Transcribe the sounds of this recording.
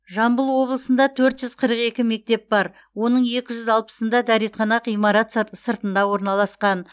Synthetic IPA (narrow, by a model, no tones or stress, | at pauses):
ʒɑmbəlˠwo̞blˠəsənd̪ɑt̪ʰɵɾt̪ʒʏzqʰəɾəqe̞kʲɪme̞k̚t̪e̞p̚bɑɾ | wo̞nəɴe̞kʲɪʒʏzɑlˠpə̥sənd̪ɑd̪æɾet̪χʰɑnɑqijmɑɾɑt̪səɾt̪ənd̪ɑwo̞ɾnɑlˠɑsqɑn